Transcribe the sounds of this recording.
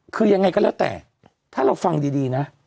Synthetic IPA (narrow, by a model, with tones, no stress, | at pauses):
kʰɯː˧ja˧ŋːa˧jkɔː˥˩lɛː˦˥˩wt̪ɛ̰ː˨˩ | t̪ʰaː˥˩ɾa˧wfa˧ŋdiː˧diː˧na˦˥